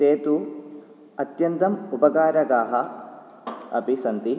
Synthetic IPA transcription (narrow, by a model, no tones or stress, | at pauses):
t̪eːt̪u | ɐt̪jɐnt̪ɐmupɐɡaːɾɐɡaːɦɐ | ɐ̰pisɐnt̪i